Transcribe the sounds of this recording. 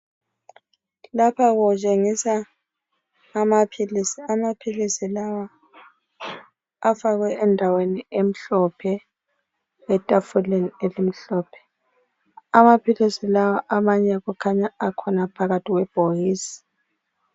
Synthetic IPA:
lapʰaɣɔt͡ʃʼeŋisa | mapʰilisiamapʰilisilawa | afaɣwɛɛndʱaweniem̩ɬɔpʰɛ | ɛtʼafulenielim̩ɬɔːpʰɛ̥ | amapʰilisilawaʔamaɲɛɣukʰaɲaakʰɔnapʰaɣatʰʼiɣwɛb̥ʱojiːsi̥

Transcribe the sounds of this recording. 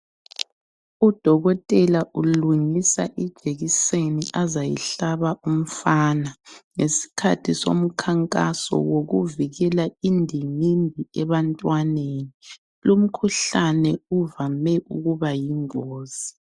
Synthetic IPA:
ud̥ʱɔɣɔtʼɛlaʔuluŋisa̰ʔid̥ʒ̥ʱeɣiseniʔazajḭɬaβaʔum̩faːnaŋesi̥kʰatʰiso̰m̩kʰaŋkʼa̰sɔ̰woɣuviɣɛlaindʱiŋimbʱiɛβantʼwaneni | lum̩kʰuɬanɛuvamɛʔṵɣuβajiŋoːz̥i

